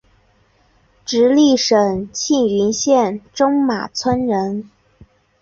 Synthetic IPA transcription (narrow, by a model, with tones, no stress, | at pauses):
ʈ͡ʂɻ̩˧˥li˥˩ʂə˨˩ŋt͡ɕʰi˥˩ŋy˧˥nɕjɛ˥˩nʈ͡ʂʊ˥ŋma̰˨˩t͡sʰwə˥nɻə˧˥n